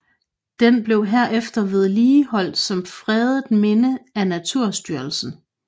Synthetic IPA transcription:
d̥enb̥le̝ʊɦeɐ̰ʔefd̥ɐʋe̝ð̞ˠliːhɒ̽l̰d̥sɒ̽mfʁɛːðˠd̥me̝nəænæt͡sʰuɐ̰sd̥yɐlsn̩

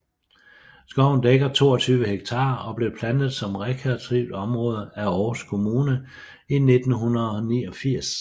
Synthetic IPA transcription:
sɡ̥ɒʊ̰n̩d̥eɡ̥ɐt͡sʰo̝̰ːɒt͡sʰyːʋəheɡ̥̚t͡sʰɑ̈ːɒ̽b̥le̝pʰlænð̞̩ˠsɒ̽mʁɛkʰæɐt͡sʰʁiʊd̥ɒ̽mʁɔ̽ːð̞ˠæɒːskʰo̝muːnə | ine̝d̥n̩ɦunɐð̩ˠɒ̽niːɒfiɐ̰s

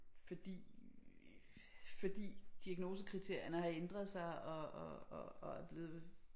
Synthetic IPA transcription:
fɒ̽d̥ḭː | fɒ̽d̥ḭːd̥iæɡ̥no̝ːsəkʰʁit͡sʰe̝ɐ̰jɐnəhɑ̈end̥ʁɐðˠsɑ̈ɪɒɒːæɐb̥leːðˠ

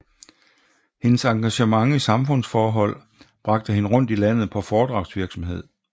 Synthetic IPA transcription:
he̝nəsɑ̈ŋɡ̥æɕəmɑ̈ŋisɑ̈mfɔ̽n̰sfɒːɦɒ̽l̰ | b̥ʁɑ̈ɡ̥̚d̥əhe̝nəʁɔ̽n̰d̥ilæn̰ð̩ˠpʰɒ̽fɒːd̥ʁɑ̈ʊ̥sʋiɐɡ̥sɒ̽mɦe̝ð̰ˠ

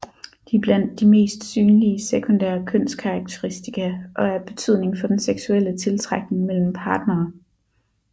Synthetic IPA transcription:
d̥ib̥læn̰d̥ːime̝̰ːsd̥syːnliəsekʰo̝nd̥æ̰ːɐkʰøn̰skʰɑ̈ɑɡ̥̚t͡sʰeʁisd̥ikʰæʔɒ̽æɐb̥e̝t͡sʰyð̞̰ˠne̝ŋfɒ̽d̥enseɡ̥suel̰ət͡sʰe̝lt͡sʰʁaɡ̥ne̝ŋmel̰m̩pʰɑ̈ːd̥nɐː

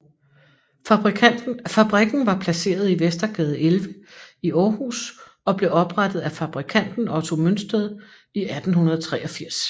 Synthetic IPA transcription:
ʁfæb̥ʁiɡ̥n̩ʋɑ̈pʰlæse̝̰ːɐð̞ˠiʋesd̥ɐɡ̥ɛːð̞̩ˠelʋəiʔɒːhṵːs | ɒ̽b̥le̝ɒ̽b̥ʁad̥ð̞̩ˠæfɑb̥ʁikʰæn̰d̥n̩ɒ̽t͡sʰo̝mønsd̥əðˠ | iʔæd̥n̩hunɐð̞ˠt͡sʰʁɛ̰ːʔɒ̽fiɐ̰s

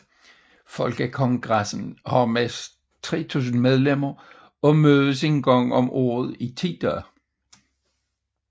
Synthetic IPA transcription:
fɒ̽lɡ̥əkʰɒ̽ŋɡ̥ʁasn̩hɑmes | t͡sʰʁɛ̰ːt͡sʰṵːs̬n̩með̞ˠlem̰ɐ | ɒ̽møːð̞ˠəs̬e̝nɡ̥ɒŋ̰ɒ̽mʔɔ̰ːð̞ˠit͡sʰid̥æ

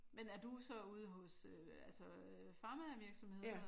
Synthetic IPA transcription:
menæɐd̥usɒ̽uːð̞ˠəɦɔ̽sø | ælsə | øfɑ̈mæʋiɐɡ̥sɒ̽mhe̝ðˠɐ

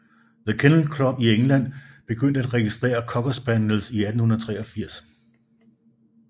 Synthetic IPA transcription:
ðəkʰenl̩kʰlɒb̥ieŋlæn̰b̥e̝ɡ̥øn̰d̥əæd̥ʁɛɡ̥isd̥ʁɛ̰ːɐkʰɒ̽ɡ̥ɒsb̥ænl̩siæd̥n̩hunɐð̩ˠt͡sʰʁɛːɒ̽fiɐ̰s

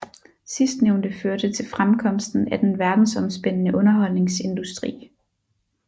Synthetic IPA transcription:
sisd̥neʊnd̥əføɐd̥ət͡sʰe̝lfʁamkʰɒ̽m̰sd̥n̩æd̥enʋæɐd̥n̩sɒ̽msb̥en̰ənəʔɔ̽nɐɦɒ̽l̰ne̝ŋse̝nd̥usd̥ʁḭː

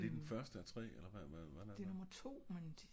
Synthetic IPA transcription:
d̥e̝d̥enfɶɐsd̥əæt͡sʰʁɛ̰ːelɐʋæʋæʋædæde̝nɔmɐt͡sʰo̝̰ːmen

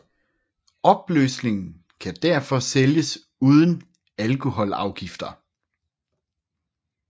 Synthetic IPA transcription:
ɒ̽b̥lø̰sne̝ŋn̩ | kʰæd̥æɐfɒ̽seljəs | uːð̞ˠən̩ | ælkʰo̝hɒ̽lɑ̈ʊɡ̥ifd̥ɐ

